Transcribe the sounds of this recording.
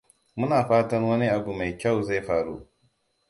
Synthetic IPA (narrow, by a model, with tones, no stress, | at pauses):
mʊ˦naː˨ɸaː˦tɐ˦rwɐ˦ni˦ʔa˨bu˨ma˨jkʲa˦˨wza˦˨jɸaː˨ɽṵ˦ʔ